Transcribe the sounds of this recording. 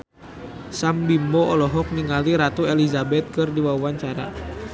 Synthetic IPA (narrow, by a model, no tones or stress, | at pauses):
sambimbɔɔlɔɦɔk̚niŋaliɾat̪uelizabɛt̪̚kɨrdiwauaɲt͡ʃaɾa̰